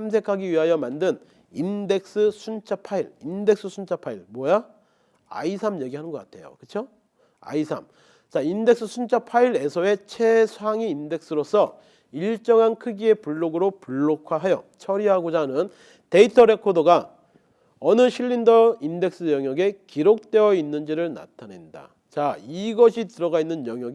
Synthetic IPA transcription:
sams̬ʰe̞kʰaɡiɥiɦajʌmandɯn | inde̞k̚s͈ɯsʰunt͡ɕʰapʰaiɭinde̞k̚s͈ʰɯsʰunt͡ɕʰapʰaiɭmwʌja | a̰isʰamje̞ɡiɦanɯnɡʌk͈atʰe̞̰jo̰kɯt͡ɕʰo | a̰isʰa̰m | t͡ɕainde̞k̚s͈ɯsʰunt͡ɕʰapʰaiɾe̞sʰʌe̞t͡ɕʰe̞sʰuaŋiːnde̞k̚s͈ɯɾosʰʌ | iɭt͡ɕ͈ʌŋɦankʰɯɡie̞puɭːoɡɯɾopuɭːokʰwaɦajʌt͡ɕʰʌɾiɦaɡod͡ʑanɯn | te̞itʰʌɾe̞kʰodoɡa | ʌnɯɕʰiʎːindʌinde̞k̚s͈ɯjʌŋjʌɡe̞kiɾok̚t͈we̞jʌinːɯnd͡ʑiɾɯɭna̰tʰane̞nda̰ | t͡ɕaiɡʌɕʰitɯɾʌɡainːɯnjʌŋjʌɡ

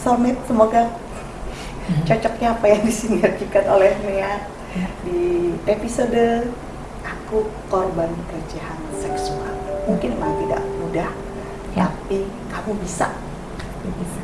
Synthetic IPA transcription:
sɔrmɪt̪̚səmoɡa | t͡ʃɔt͡ʃɔk̚ɲaːpajaŋdisiŋɡard͡ʒikat̪olɛhnea | diepisodə | ʔakukorbanəkərd͡ʒahansɛksua̰lmuŋkɪnmanat̪ida̰ʔmudah | t̪api | kamubisa̰ | ia

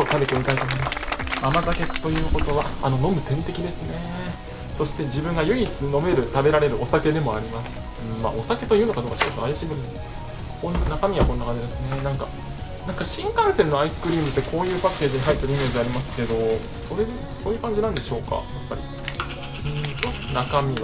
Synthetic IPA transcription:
ot̪abe̞t̪e̞mit̪ait̪omo̞imasɨ̥amaɡake̞t̪ːo̞jɯ̟ːko̞t̪o̞βaano̞no̞mɯ̟t̪ẽnt̪e̞kʲid̪e̞sɨne̞ | so̞ɕi̥t̪e̞d͡ʑibɯ̟̃ŋɡajɯ̟it͡sɨno̞me̞ɾɯ̟t̪abe̞ɾaɾe̞ɾɯ̟o̞sake̞d̪e̞mo̞aɾʲimasɨ̥ | ɯ̟̃ɴma̰ːʔo̞sake̞t̪o̞jɯ̟ːno̞kad̪o̞ːkaɕikot̪oajaɕiːɡɯ | kõ̞nnakamʲiβako̞nːakãɲd͡ʑid̪e̞sɨne̞nãŋka | nãŋkaɕĩŋkãɰ̃se̞ɾɯ̟noaisɨ̥kɯ̟ɾʲiːmɯ̟t̪ːe̞kʰo̞ːjɯ̟ːpakːe̞ːʑiɲ̟iɦait̪ːeɾ̟imʲieːzd̪eaɾʲimasɨ̥ke̞d̪o̞ | so̞ɾe | so̞ːjɯ̟ːkãɲ̟d͡ʑinãnd̪e̞ɕo̞ːka̰japːa̰ɾʲḭ | ɯ̟̃t̪onakamʲiβa

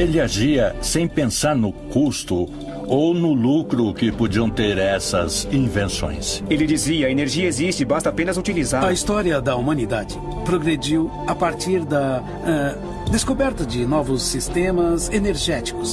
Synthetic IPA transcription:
elɪaʒiɐsẽj̃pẽsaɾnʊkust̪ʊ | ownʊlukɾʊkɪpod͡ʒiɐ̃w̃t̪eɾɛsɐ̰zĩvẽsõ̰j̃selɪd͡ʒiziɐːeneɾʒiɐezist͡ʃɪbast̪apẽnɐzut͡ʃilizaɾɐist̪ɔɾiɐd̪ɐumɐ̃nid̪ad͡ʒɪ | pɾoɡɾed͡ʒiw | apaɾt͡ʃiɾd̪ɐ | ɛ | d̪eskobɛɾt̪ɐd͡ʒɪnɔvʊsːist̪ẽmɐzeneɾʒɛt͡ʃi̥kʊs

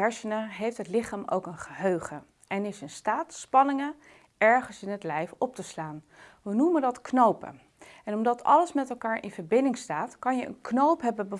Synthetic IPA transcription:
ɛɹsənəɦejftɦətlɪχaːmo̰wkənχəɦøɥχə | ɛnɪsɪnstaːtspɑnɪŋə | ɛɹχənsɪnɦətlɛjfɔp̚təslaːn | ʋənuməndɑtknowpə̰ | ɛnɔmdɑtʰɑ̰ləsmɛtɛlˠkaːɹʔɪ̰nvəɹbɪndɪŋstaːtkɑnjəʔə̰nknowpɦɛbənbə

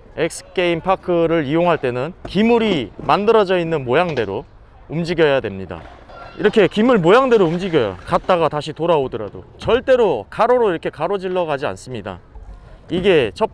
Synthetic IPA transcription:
ek̚sʰɯ̥k͈eimpʰakʰɯɾɯɾijoŋɦaɭt͈e̞nɯnkimuɾimandɯɾʌd͡ʑʌinːɯnmojaŋde̞ɾo | umd͡ʑiɡjʌjadwe̞mɲida̰ | ḭɾʌkʰe̞kimɯɭmojaŋde̞ɾoumd͡ʑiɡjʌjo̰kat̚t͈aɡataɕʰitoɾaodɯɾa̰do̰t͡ɕʌɭt͈e̞ɾokʰaɾoɾoiɾʌkʰe̞kaɾod͡ʑiɭːʌɡad͡ʑia̰ns͈ɯmɲida̰ | iɡe̞t͡ɕʰʌp̚

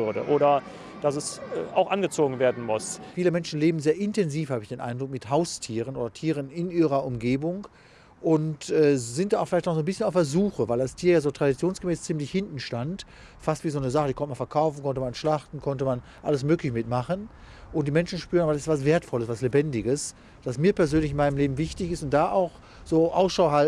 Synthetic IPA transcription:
ʏɐdə̰ʔoːɾɐ | d̥asɛsɛʔa̰ʊxʔanɡət͡soːɡŋ̩veːɐdn̩mʊsfiːləmɛnʃn̩leːbm̩zeːɐʔɪntʰɛnziːfhaːbəɪçd̥eːnʔa̰ɪndʁʊk̚mɪthaʊstʰiːʁ̞ənʔoːdɐtʰiːʁ̞ənɪnʔiːʁɐʔʊmɡeːbʊŋ | ʔʊntʔɛːzɪntd̥aaʊfɪlaɪtnɔχzoːnbɪsçənaʊfɛɐzuːxəvaɪlastʰiːɐjaːzoːtʁ̥adit͡sjoːnsɡ̥əmɛːst͡siːmlɪçhɪntn̩ʃtant | fastv̥iːzoːnəzaχədikʰɔntəmanfɛɐkʰaʊfn̩kʰɔntəmanʃlaχtn̩kʰɔntəmanʔa̰ləsmøːklɪçəmɪtmaχən | ʔʊnt̚d̥iːmɛnʃn̩ʃpyːʁənabɐdasɪ̥stv̥as̬v̥eːɐtfɔləsv̥aslebɛndɪɡəs | d̥asmiːɐpɛɐzøːnlɪçɪnmaɪnəmleːbm̩vɪçtɪçɪstʊnt̚d̥aːʔa̰ʊx | z̥oːʔaʊsʃaʊhal

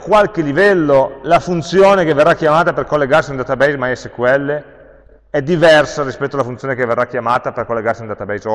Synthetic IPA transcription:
kːwalkelivɛlːolafunt̪sjoːnekevːerːakːjamaːt̪aperkolːeɡarsind̪at̪abɛjzmajɛsekwɛlːe | ɛd̪ːivɛrsaɾispɛt̪ːoalafunt̪sjoːnekevːerːakjamaːt̪aperkolːeɡarsind̪aːt̪abɛjzo

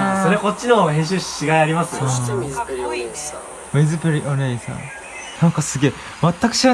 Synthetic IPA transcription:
soɾeko̞tʲt͡ɕːino̞ɦẽ̞ɰ̃ɕ̬ɨɕɕiɡaiaɾʲimasɨ̥ | mizɨpɯɾʲiʔoneisã̰ | nãŋkasɨɡʲe̞ː | mat̪ːakɯ̟̥ɕiɡa

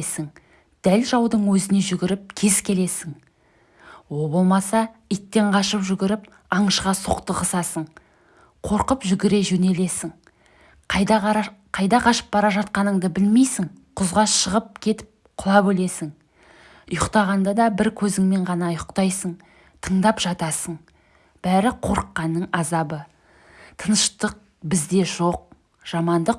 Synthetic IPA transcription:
sɪŋ | d̪̥ælʒɑwd̪əɴwɵzɪne̞ʒʏɡʲɪɾɪp̚kʲʰe̞zkʲʰe̞le̞sɪŋ | wo̞lˠbo̞lˠmɑsɑijt̪ːe̞ɴqʰɑʃəpʒʏɡʲɪɾɪp | ɑɴəʃqɑso̰qt̪əqəsɑsəɴ | qʰo̞ɾqəpʒʏɡʲɪɾe̞ʒɵne̞le̞sɪŋ | qʰɑjd̪ɑqʰɑʃə̥p̚bɑɾɑʒɑt̪̚qɑnəɴd̪əbɪlme̞jsɪŋqʰʊzʁɑʃəʁəp̚kʲʰe̞t̪ɪ̥p̚qʰʊlˠɑbɵle̞sɪŋ | ʊjʊqt̪ɑʁɑnd̪ɑd̪ɑbɪɾkʲʰɵzɪŋme̞ɴʁɑnɑʊjʊqt̪ɑjsəɴ | t̪ʰəɴd̪ɑpʒ̥ɑt̪ɑsəɴ | b̥æɾɪqʰo̞ɾqːɑnːəɴɑzɑbə | t̪ʰənəʃt̪əq̚ | bɪzd̪e̞ʒo̞q̚ | ʒ̥ɑmɑnd̪əq̚

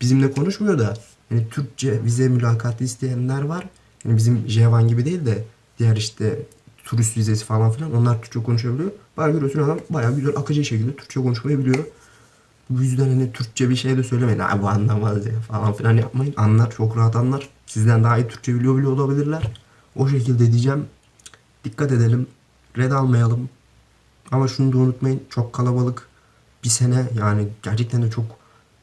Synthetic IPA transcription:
b̥izimd̪ɛkʰo̞nuʃmujo̞d̪a | hanit̪ʰyɾc̚t͡ʃʰɛvizɛmylʲaːkʰat̪lˠɯist̪ʰejænlʲæɾvaɾ̥ | hanibizimʒevanɟibid̪e̞jilʲd̪ɛ | d̪̥ijæɾiʃt̪ʰɛ | t̪ʰuɾist̪vize̞si̥falˠanfilʲˠano̞nlˠaɾt̪ʰyɾ̥c̚t͡ʃʰɛkʰo̞nuʃ̬abilʲijo̞b̥aɟøɾyjosynad̪ambajaːɟyzælʔakʰɯd͡ʒabʃecʰilʲd̪ɛt̪ʰy̥ɾ̥ct͡ʃʰɛɛkʰo̞nuʃmajabilʲijo̞ | bujyzd̪ænhanit̪ʰyɾc̚t͡ʃʰɛbiʃe̞jd̪ɛsø̞jlʲe̞meina̰buand̪ˠammazd̪ijafalˠanfilʲanja̰pmajɯnanlˠaɾt͡ʃʰo̞kɾaɦat̪anlˠaɾ̥sizd̪ænd̪aːijɯt̪ʰyɾ̥c̚t͡ʃʰɛbilʲijo̞bilʲijolˠabilʲiɾlʲæɾ̥ | o̞ʃe̞cilʲd̪ɛd̪id͡ʒɛm | d̪̥ikʰːat̪ed̪elʲim | ɾɛd̪alˠmajalˠɯm | amaʃunud̪aunut̪majɯnt͡ʃʰo̞kʰːalˠabalˠɯk | b̥isenɛjaːniɟ̥æɾt͡ʃʰɛc̚t̪ʰænd̪ɛt͡ʃʰo̞k

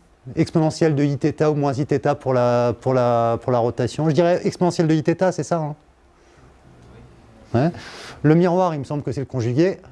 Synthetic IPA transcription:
ɛkspɔnɑ̃sjɛld̪əit̪et̪aumwɛ̃zit̪et̪apuʁlapuʁlapuʁlaʁɔt̪asjɔ̃ʒəd̪iʁɛʔɛkspɔnɑ̃sjɛld̪əit̪et̪asɛsaɛ̃ | wɛləmiʁwaʁilməsɑ̃bləkəsɛləkɔ̃ʒyɡʲe

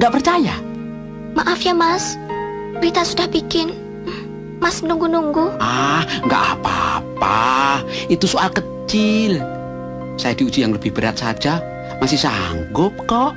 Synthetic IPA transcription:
ŋɡaʔpərt͡ʃaja | maʔafjamas | bəɾit̪asudahbikɪn | masnuŋɡunuŋɡuʔahŋɡa̰ʔapaa̰pa | it̪usoalkət͡ʃɪl | sajadiud͡ʒijaŋləb̥ɪhb̥əɾat̪̚sad͡ʒa | masɪhsaŋɡʊp̚kɔʔ

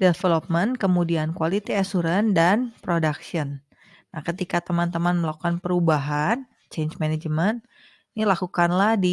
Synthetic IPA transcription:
defelop̚mənkəmudiankualit̪iasuɾəndanpɾodaksiənː | ahkət̪ikat̪əmant̪əmanməlakukanpəɾubaɦan | t͡ʃend͡ʒmaned͡ʒmənt̪ | nilakukanlahdi

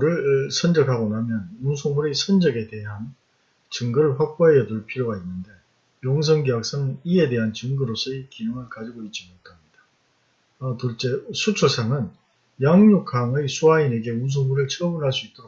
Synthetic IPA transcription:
ɾɯɭsʰʌnd͡ʑʌkʰaɡonamjʌnunsʰoŋmuɾisʰʌnd͡ʑʌɡe̞te̞ɦan | t͡ɕɯŋɡɯɾɯɭɸwak̚k͈aɦejʌtuɭpʰiɾjoɡainːɯnde̞ | joŋs̬ʰʌŋɡejak̚s͈anɯnie̞de̞ɦant͡ɕɯŋɡɯɾosʰʌikijɯŋɯɭkad͡ʑiɡoit̚t͡ɕ͈imoɭkʰamɲid̥a | ʌtuɭt͡ɕ͈esʰut͡ɕʰoɭsʰaŋɯn | jaŋɲukʰaŋɯjsʰuaine̞ɡe̞uns̬ʰoŋmuɾɯɭt͡ɕʰʌbunɦaɭs͈uit͈oɾ

